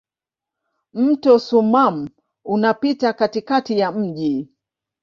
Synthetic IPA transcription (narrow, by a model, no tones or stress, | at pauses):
m̩tɔsumam̩ | unapitakatikatijam̩ʄi